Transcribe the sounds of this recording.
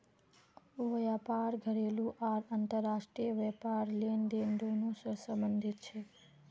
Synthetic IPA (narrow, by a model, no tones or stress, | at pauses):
ʋəjapaɾɡʱəɾelũʔaɾant̪əɾːaʃʈɾijəʋɛpaɾlend̪eɳɖonũsəɾsəmbənd̪ʱit̪t͡ʃʰe